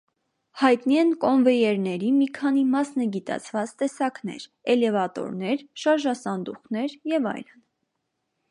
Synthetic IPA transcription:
hɑjt̪niɛnkɔnvɛjɛɾnɛɾimikʰɑnimɑsnɛɡit̪ɑ̰t͡sʰvɑt͡st̪ɛsɑkn̪ɛ̰ɾɛlɛvɑt̪ɔ̰ɾnɛɾʃɑɾʒɑsɑnd̪uχnɛɾjɛvɑ̰jlən

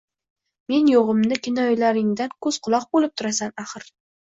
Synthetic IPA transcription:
me̞njoʁɨmnɪkʲʰɪnɒjlaɾɪŋd̪ankʰɵz̥qʰʊlˠɒq̚bolˠɪp̚t̪ʰʊɾasanaχɨɾ

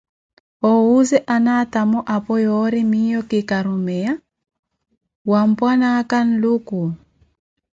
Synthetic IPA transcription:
ɔuzɛʔanatamɔʔapɔjɔɾimijɔkikaɾumɛja | wampwanakan̩luku

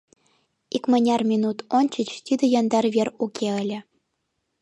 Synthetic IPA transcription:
ikmɤ̆nʲɑrmʲinut̪onʲt͡ɕət͡ɕt̪yd̪ɤ̆jɑnd̪ɑrβʲerukʲʰeə̆lʲɘ̆

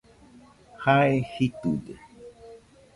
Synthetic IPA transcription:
haehit̪udḛ

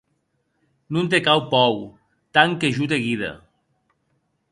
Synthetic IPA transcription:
nunt̪̬ekawpɔw | t̪aŋkeʒut̪̬eɣiðɐ̰

